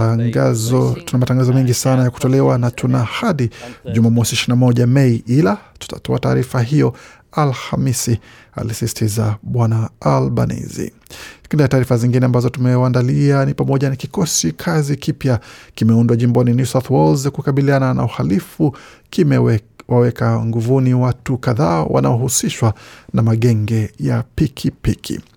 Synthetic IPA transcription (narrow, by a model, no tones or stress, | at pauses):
tunamataŋɡazɔmɛŋɡisanajaku̥tɔlɛwanatʰunahaɗiʄumamɔsiʃinamɔʄamɛiʔilatu̥ta̰tɔata̰ːɾifaɦijɔ | alhamisi | a̰lisisi̥tʰizaɓwanaalɓa̰nḭzḭ | kindiataːɾifaziŋɡinɛambazɔtumɛwandalianipamɔʄanakikɔsikʰazikipjakimɛundwaʄimbɔninjusaθwɔlzakukaɓilianana̰uhalifukim | wawɛkaŋɡuvuniwatukaðaːwʔa̰na̰ɔhusiʃwanamaɠɛŋɡɛjapikʰipikʰḭ